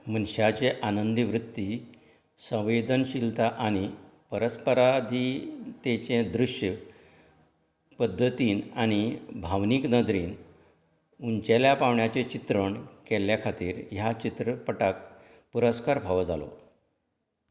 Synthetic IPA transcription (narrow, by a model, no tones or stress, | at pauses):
m̤ənɕat͡ɕeʔanənd̪iʋɾut̪ːi | sə̃w̃ʋed̪ənɕilt̪aʔaɽ̃ipəɾəspəɾad̪ʱit̪et͡ɕẽd̪ɾuɕjə | pəd̪ʱːət̪iːnaɽ̃ibʱaʋniːknəd̪ɾiːn | uɲt͡ɕeljapaʋɳjat͡ɕet͡ɕit̪ɾəɳkɛljakʰat̪ḭːɾjat͡ɕit̪ɾəpəʈak̚ | puɾəskaɾbʱaʋəd͡za̰lo̰